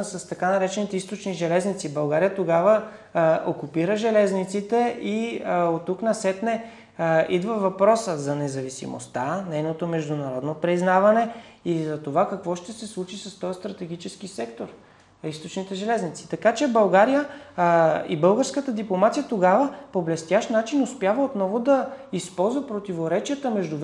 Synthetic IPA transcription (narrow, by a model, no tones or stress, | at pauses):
sɐst̪ɐkanɐɾɛt͡ʃɛnit̪ɛist̪ot͡ʃniʒɛlɛznit̪sibɐlˠɡaɾijət̪oɡavə | okupiɾəʒɛlɛznit̪sit̪ɛʔiot̪ːuknɐsɛt̪nɛ | id̪vəvɐpɾɔsəzɐnɛzɐvisḭmo̰st̪anɛjnot̪omɛʒd̪unɐɾɔd̪nopɾiznavɐnɛizɐt̪ovakɐkvɔʃt̪ɛsɛslˠut͡ʃisɐst̪ɔjst̪ɾɐt̪ɛɡ̟it͡ʃɛskisɛkt̪oɾ | ist̪ot͡ʃnit̪ɛʒɛlɛznit̪si̥t̪ɐkat͡ʃɛbɐlˠɡaɾijə | ḭbɤlˠɡəɾskət̪əd̪iplˠomat̪sʲijət̪oɡavəpoblɛst̪ʲjaʃt̪nat͡ʃinʊspjavəot̪nɔvod̪ɐispɔlˠzvɐpɾot̪ivoɾɛt͡ʃijət̪əmɛʒd̪uv